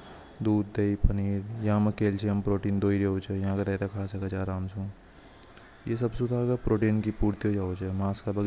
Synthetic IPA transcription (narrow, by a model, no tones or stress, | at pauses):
d̪uːd̪ːeipəniːɾjɐɦãmɐkeːlt͡ʃʰeɐmpɾoːʈiːnd̪oːiɾeɦot͡ʃʰejɐɦãket̪ɐt̪akʰaːsɐkɐt͡ʃʰaːɾaːmsũː | jes̬ɐbsud̪ʱakapɾoːʈiːnkipuːɾt̪iɦod͡ʒaːot͡ʃʰemaːskabɐɡ